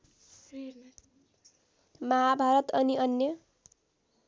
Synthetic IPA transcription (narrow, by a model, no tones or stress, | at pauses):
maɦabʱaɾʌt̪ʌniʌnjʌ